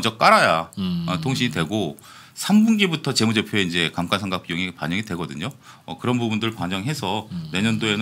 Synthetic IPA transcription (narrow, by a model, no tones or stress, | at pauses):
d͡ʑʌk͈̚aɾajaʌtʰoŋɕʰiɲitwe̞ɡo | sʰambunɡibutʰʌt͡ɕe̞mud͡ʑe̞pʰjoeind͡ʑe̞kamk͈ʰansʰaŋɡak̚p͈ijoŋipaɲʌŋidwe̞ɡʌdɯɲo | ʌ̰kɯɾʌnbubundɯɾɯɭpaɲʌŋɦe̞sʰʌne̞ɲʌndoe̞nɯ